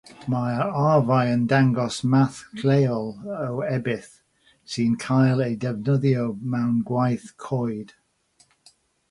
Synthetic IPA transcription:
maavajəndaŋɡɔsmaθkʰlejɔlˠəwɛbɪθ | siːnkʰajlˠejdɛvnəðjomawnɡwajθkʰɔjd̥

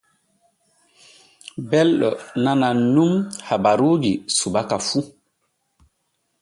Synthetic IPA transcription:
bɛlɗɔnananumhabaɾuːɡisubakafu

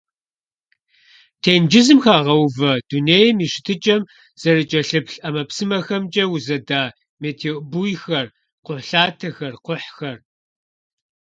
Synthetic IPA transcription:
tʰeːnd͡ʒɪzɨmxaːʁɐwvɐd̥uneːjmiːʃɪ̥tʰɨt͡ʃʼɐm | z̥ɐɾɨt͡ʃʼɐɬɨpɬʼɐmɐpsɨmɐxɐmt͡ʃʼɐwʊzɐdaː | meːtʰeobujxɐr | qʷʊɬaːtʰɐxɐrqʷʊħxɐr

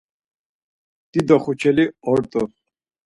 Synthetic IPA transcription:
d̪̥id̪ɔχut͡ʃʰɛliɔɾt̪ʼɔ

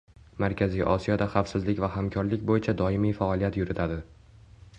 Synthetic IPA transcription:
maɾkʲʰazijʔɒ̰sijɒd̪aχafsɪzlɪkʲvahamkʲʰɒɾlɪkʲbojɪt͡ʃʰad̪ɒɪmijfaɒlˠijat̪jʊɾɪt̪ʰad̪ɪ

